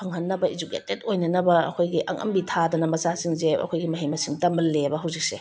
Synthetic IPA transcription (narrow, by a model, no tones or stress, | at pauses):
pʰɐŋhɐnːɐbɐizukḛtet̚ojnɐnɐbɐɐ̰kʰojɡiʔɐ̰ŋʔɐ̰mbitʰadɐnɐmɐzasiŋzeɐ̰kʰojɡimɐɦijmɐsiŋtɐmɐlːebɐɦawzik̚se